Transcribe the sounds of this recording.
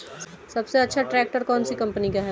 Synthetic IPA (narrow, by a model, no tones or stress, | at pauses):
sɐbseɐtːʃʰaʈɾɛːk̚ʈəɾkɔːnsikɐ̃mpənikaɦɛ